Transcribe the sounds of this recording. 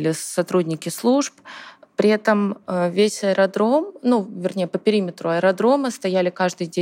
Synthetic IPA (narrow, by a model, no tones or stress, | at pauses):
lʲɪsɐt̪ɾudʲnʲɪkʲɪslˠuʐppɾʲɪɛt̪əmvʲesʲɐɪɾɐd̪ɾo̞mnuvʲɪrnʲejəpəpʲɪɾʲimʲɪt̪ɾʊɐəɾɐd̪ɾo̞məst̪ɐjælʲɪkaʐd̪ɨjdʲe